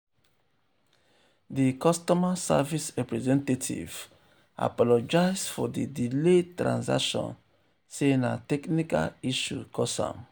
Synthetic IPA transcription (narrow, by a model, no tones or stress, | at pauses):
dikɔstɔmasa̰visɹɛpɹɛzɛ̃ntatʰḭv̥ | a̰pɔlɔd͡ʒaɪsfɔdidiletɹã̰nsa̰kʃɔ̰̃n | sena̰tɛknika̰liʃukʰɔsã̰m